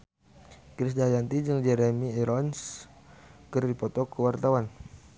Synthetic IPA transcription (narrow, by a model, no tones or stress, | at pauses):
kɾis̬dajant̪id͡ʒɨŋd͡ʒɛɾɛmiɛɾɔns | kɨrdipɔt̪ɔkəwart̪awan